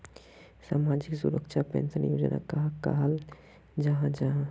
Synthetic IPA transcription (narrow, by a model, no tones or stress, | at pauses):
samad͡ʒiksuɾəkt͡ʃʰapḛnsənjod͡ʒna̰kaɦka̰ɦal | d͡ʒəɦãd͡ʒaɦã